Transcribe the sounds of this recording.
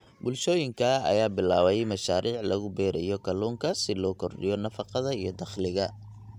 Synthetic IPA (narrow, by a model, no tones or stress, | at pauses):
bʊlʃɔːjɪŋkʰɐɐ̰jaːbɪlaːβɛjmɐʃaːɾʔiːʕlɐɣʊbɛːɾɛjɔkʰɐluːŋkʰɐsɪlɔːkʰɔrɖɪjɔnɐfɑqɑðɐijɞd̪ɑχlɪɣɐ